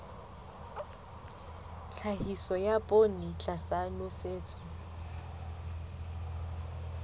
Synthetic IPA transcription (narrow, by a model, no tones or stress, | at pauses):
t͡ɬʰahisɔjapʼonit͡ɬʼasanʊseːt͡sʼɔ